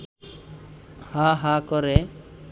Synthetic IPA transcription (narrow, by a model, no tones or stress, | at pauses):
haɦakɔɾe